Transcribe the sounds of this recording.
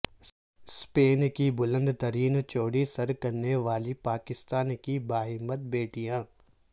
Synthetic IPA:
speːnkibʊlə̃nd̪t̪ɐɾiːnt͡ʃoːɽisɐɾkɐɾneʋaːlipaːkɪst̪aːnkibaːɦɪmːət̪̚beːʈijãː

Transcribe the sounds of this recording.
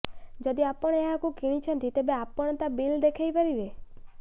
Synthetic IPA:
d͡ʒəd̪iapəɳeaakũkiɽ̃ĩt͡ʃʰenət̪ʰit̪ebeapəɳ̃t̪abild̪ekʰajpəɾiʋe

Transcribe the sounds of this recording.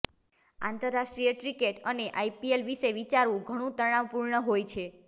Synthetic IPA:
ã̰nt̪əɾːaʃʈɾijəʈɾikeʈəneʔajpielʋiʃeʋit͡ʃaɾʋũɡʱəɽ̃ũt̪əɽ̃aʋpuɾɳəɦojt͡ʃʰe

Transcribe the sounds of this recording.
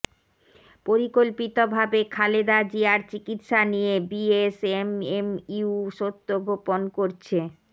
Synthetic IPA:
poɾikolpit̪obʱabekʰaled̪ad͡ʑiaɾt͡ɕikit̪ʃanijebiesememiuʃot̪ːoɡʱoponkoɾt͡ɕʰe

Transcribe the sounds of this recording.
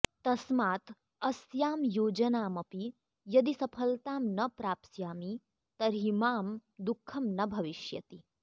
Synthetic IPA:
t̪ɐsmaːt̪ | ɐsjaːmjoːd͡ʒɐnaːmɐpi | jɐd̪isɐpʰəlt̪aːmnɐpɾaːpsjaːmi | t̪ɐɾɦimaːmd̪ukʰːɐmnɐbʱɐʋiʃjɐ̰t̪i

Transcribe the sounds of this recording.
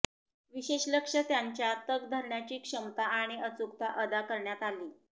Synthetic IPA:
ʋiɕeɕləkʂət̪jaɲt͡ɕjat̪əɡd̪ʱəɾɳjat͡ɕiːkʂəmt̪aaɽ̃iət͡sukt̪aʔəd̪akəɾɳjat̪aliː

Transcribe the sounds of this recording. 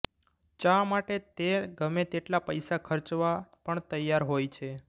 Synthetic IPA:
t͡ʃãmaʈet̪eɡəmet̪eʈlapəjsakʰəɾt͡ʃʋapəɳt̪əjːaɾɦojt͡ʃʰe

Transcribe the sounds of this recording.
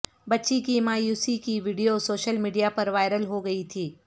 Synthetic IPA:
bɐtːʃikimaːjuːsikiʋiːɖijosoːʃəlmiːɖijapɐɾʋaːɪɾəlɦoɡɐit̪ʰiː

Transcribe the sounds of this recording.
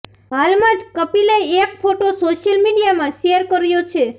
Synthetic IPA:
ɦalmãd͡ʒkəpileekpʰoʈosoʃjəlmiɖijamãʃejəɾkəɾjot͡ʃʰe

